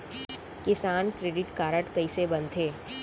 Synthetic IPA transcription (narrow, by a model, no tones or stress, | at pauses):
kɪsaːnkɾeːɖɪʈkaːɾəʈkɐisebɐnt̪ʰeː